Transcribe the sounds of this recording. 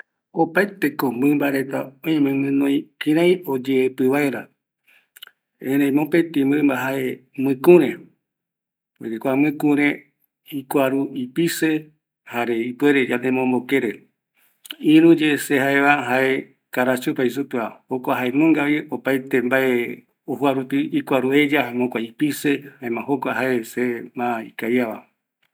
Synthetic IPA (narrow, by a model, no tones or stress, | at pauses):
opajt̪ekombɨmbaɾe̞t̪a̰õjmẽmɨ̃nõj̃kĩɾ̃ãj̃od͡ʒeːpɨβaeɾa | ẽɾẽj̃mõpet̪ĩmbɨmbaɦae̞mɨ̃kũɾẽ | od͡ʒekʷamɨ̃kũɾ̃ẽ | ikʷaɾuipise | haɾeipweɾed͡ʒanẽmõmbokeɾe | ĩɾũd͡ʒesehaeβaɦae | kaɾat͡ʃupais̬upɨahokʷaɦaenõŋɡaβiopajt̪embae | ohuaɾut̪iikʷaɾue̞d͡ʒaamõkʷaipisehaemãɦokʷaɦaesemãḭkajaβa̰